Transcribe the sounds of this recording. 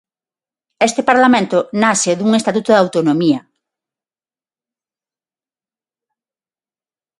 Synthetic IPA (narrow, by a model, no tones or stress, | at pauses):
est̪ɪpaɾlamẽnt̪ʊnaseðuŋest̪at̪ut̪oðawt̪onomia